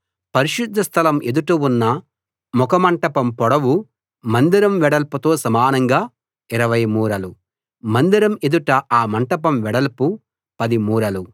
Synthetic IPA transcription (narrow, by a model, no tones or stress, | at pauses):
pɐɾiʃud̪ʱːɐst̪ʰɐlɐme̞d̪uʈuunːɐ | mɔkɐmɐɳʈɐpɐmpɔɽɐwu | mɐnd̪iɾɐmʋɛɽɐlput̪o̞ːsɐmaːnɐŋɡaː | iɾɐʋɐjmuːɾɐlu | mɐnd̪iɾɐme̞d̪uʈɐaːmɐɳʈɐp̬ɐmʋɛɽɐlpu | pɐd̪imuːɾɐlu